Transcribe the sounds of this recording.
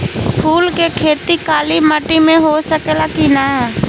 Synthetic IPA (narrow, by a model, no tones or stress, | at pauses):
pʰuːlkekʰeːt̪ikaːliməʈimẽɦosəkelakina